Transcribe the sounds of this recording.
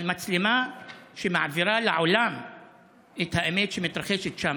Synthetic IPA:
lmat͡slɪmaʃema̰ʕviɾˤalʕʊlam | ʔet̪haʔamet̪ʃemɪt̪ɾˤɑxeʃɪt̪ʃaːm

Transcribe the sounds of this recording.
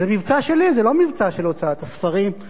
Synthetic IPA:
zemivt͡saʃe̞lizelo̞mivt͡saʃelot͡sat̪asfaʁim

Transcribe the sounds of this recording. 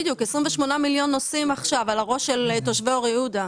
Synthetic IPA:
d̪jukesʁimveʃmo̞namiljo̞nːo̞simaχʃavalaʁo̞ʃelto̞ʃveoʁjehuda

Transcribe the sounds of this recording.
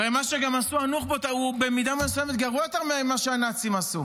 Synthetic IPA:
emaʃeɡamasuanuχbot̪aubemid̪amesoemet̪ɡaʁujot̪aʁmeamaʃeanat͡simasu

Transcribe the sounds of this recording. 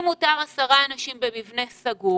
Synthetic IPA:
mut̪aʁasaʁaːnaʃimbemivne̞saɡu

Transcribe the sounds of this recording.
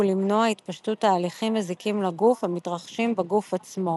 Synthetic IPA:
ulimnoait̪paʃtutaːliχimːezikimlaɡufemitʁaχʃimbeɡufat͡smo̞

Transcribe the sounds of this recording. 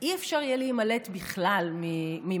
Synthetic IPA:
ʔiefʃaʁjelimalet̪biχlalmimi

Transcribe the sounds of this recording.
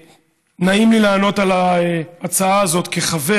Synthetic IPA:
naimlilaːno̞talaeat͡saaːzo̞t̪keχave

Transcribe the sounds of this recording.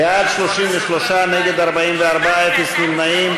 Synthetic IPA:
eadʃloʃimveʃloʃaneɡed̪aʁbaimveaʁbaefesnimnaim

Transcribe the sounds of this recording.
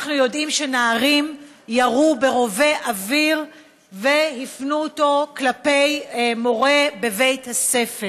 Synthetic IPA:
aχnujo̞dimʃe̞naːʁim | jaʁube̞ʁo̞ve̞ʔaviʁ | ve̞hifnuoto̞klape̞jmo̞ʁe̞be̞ve̞jthase̞fe

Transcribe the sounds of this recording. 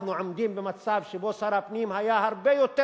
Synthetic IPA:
nuʕamd̪iːmbɪmat̪saːbʃiboːsɑɾˤɑpniːmhajaːhɑɾˤbeːjut̪ːe

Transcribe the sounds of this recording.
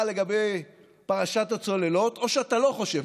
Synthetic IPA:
le̞ɡabej | paʁaʃatat͡so̞le̞lo̞t̪o̞ʃeatalo̞χo̞ʃev

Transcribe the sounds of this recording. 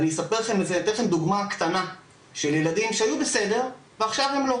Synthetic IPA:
nijesapeʁχemezet̪eχemd̪uɡmakt̪ana | ʃeljelad̪imʃeajubese̞d̪e̞ʁ | veaχʃavhe̞mlo̞

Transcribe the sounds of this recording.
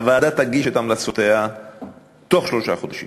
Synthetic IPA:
avaːd̪at̪aɡiʃot̪amlat͡sot̪ea | t̪o̞χʃloʃaχo̞d̪aʃḭm

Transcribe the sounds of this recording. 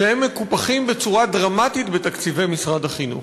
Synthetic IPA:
ehemːe̞kupaχimbe̞t͡suʁadʁamat̪it̪bet̪akt͡sive̞jmisʁadaχinṵ

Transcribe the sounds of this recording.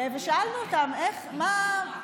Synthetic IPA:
veʃaalnuot̪ameχma

